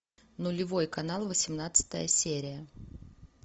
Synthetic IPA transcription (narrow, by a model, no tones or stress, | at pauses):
nʊlʲɪvo̞jkɐnalˠvəsʲɪmnat̪sɨ̥t̪ə̰jəsʲeɾʲɪjə